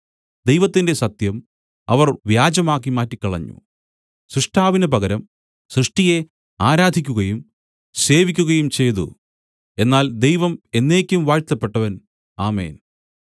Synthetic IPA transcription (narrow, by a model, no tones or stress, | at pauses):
d̪ejʋɐt̪ːinde̞sɐt̪jɐm | ɐʋɐrʋjaːd͡ʑɐmaːk̬ːimaːtːikːɐɭɐɲːṵ | sɾɨʂʈʰaːʋinɐpɐɣɐɾɐm | sɾɨʂʈije | aːɾaːd̪ʱikʲːuɣɐjum | se̞ːʋikʲːuɣɐjumt͡ɕe̞jt̪ṵ | e̞nːaːld̪ejʋɐme̞nːe̞ːkʲːumʋaːɻt̪ːɐpːe̞ʈːɐʋɐn | aːmḛːn